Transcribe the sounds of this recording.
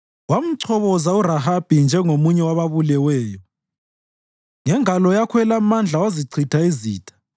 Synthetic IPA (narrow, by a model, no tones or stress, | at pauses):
wam̩ǀʰɔβɔzauɾahab̥ʱind͡ʒʱɛŋomuɲɛwaβaβulɛwɛːjɔ | ŋɛŋalɔjakʰɛlamand͡ɮʱawaziǀʰitʰaizḭːtʼʰḁ